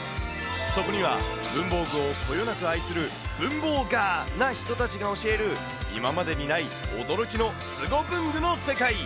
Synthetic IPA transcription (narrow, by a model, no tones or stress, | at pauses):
so̞ko̞ɲ̟iβa̰bɯ̟̃mbo̞ːɡɯ̟okʰo̞jo̞nakɯ̟aisɨɾɯ̟ | b̥ɯ̟̃mbo̞ːɡaːnaçi̥t̪o̞t̪at͡ɕiɡao̞ɕie̞ɾɯ̟ | ḭmamad̪e̞ɲ̟inai | o̞d̪o̞ɾo̞kʲino̞ | sɨɡo̞bɯ̟̃ŋɡɯ̟no̞se̞kai